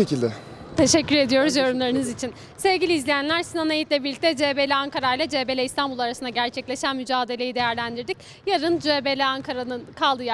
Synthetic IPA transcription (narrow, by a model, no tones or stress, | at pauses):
ecilʲd̪ɛ | t̪ʰe̞ʃɛcːyɾe̞d̪ijo̞ɾuzjo̞ɾumlˠaɾɯnɯzit͡ʃʰin | sevɟʲilʲizlʲijænlʲæɾsinanejit̪lʲɛbiɾlʲic̚t̪ʰɛd͡ʒebelʲɛaŋkaɾajlʲˠɛd͡ʒebelʲɛist̪ʰanbulˠaɾasɯnaɟæɾt͡ʃʰɛclʲe̞ʃænmyd͡ʒaːd̪e̞lʲe̞jid̪e̞jæɾlʲænd̪iɾd̪ic̚ | jaɾɯnd͡ʒebelʲɛaŋkʰaɾanɯnkʰalˠd̪ɯja